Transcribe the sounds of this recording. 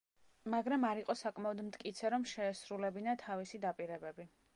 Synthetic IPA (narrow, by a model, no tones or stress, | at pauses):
maɡɾamaɾiqʼɔsakʼmaɔd̪mt̪ʼkʼit̪sʰɛɾɔmʃɛːsɾulɛbinat̪ʰavisid̪apʼiɾɛbɛbi